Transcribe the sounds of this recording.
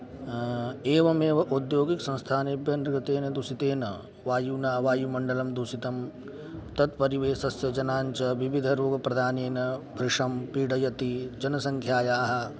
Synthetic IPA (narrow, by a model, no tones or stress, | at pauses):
eːʋɐmeːʋɐʔud̪joːɡiksɐ̃nst̪ʰaːnebjɐnɾɡɐt̪eːnɐd̪usit̪eːnɐ | ʋaːjuːnaːʋaːjumɐɳɖɐlɐmd̪usit̪ɐm | t̪ɐt̪pɐɾiʋeːsɐsjɐd͡ʒɐnaːɲt͡ʃɐʋiʋid̪ʱɐɾoːɡɐpɾɐd̪ʱaːneːnɐbʱɾɪʂɐmpiːɽɐjɐt̪id͡ʒɐnɐsɐŋkʰjaːjaːɦɐ̆